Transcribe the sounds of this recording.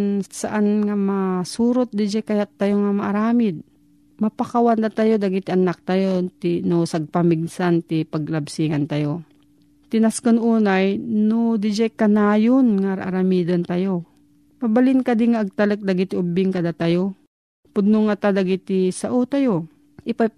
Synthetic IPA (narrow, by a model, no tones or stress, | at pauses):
nsaʔanŋamasuːɾot̪̚d̪ɪd͡ʒakajat̪ːajoŋamaʔaɾaːmɪd̪̚ | mapakawand̪at̪ajod̪aɡɪt̪ɪʔɐnak̚t̪ajot̪inosaɡ̚pamiɡsant̪ɪpaɡ̚lɐbsiŋant̪ajo | t̪ɪnaskonuːnajnod̪ɪd͡ʒajkanaːjonŋaɾʔa̰ɾamiːd̪ɐnt̪ajo | pabalɪnkad̪ɪŋaːɡ̚t̪ɐlək̚d̪aɡit̪ɪʔʊbɪŋkad̪at̪ajo | pʊd̪̚noŋat̪ad̪aɡit̪ɪsaʔut̪ajo | ʔɪpa